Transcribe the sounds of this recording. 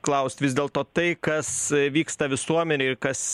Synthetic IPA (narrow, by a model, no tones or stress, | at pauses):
klˠɐʊst̪ʲʋʲɪzd̪ʲeːlˠt̪oːt̪ɐɪkɐsʋʲiːkst̪ɐʋʲɪsuɔmʲɛnʲeːɪɾkɐs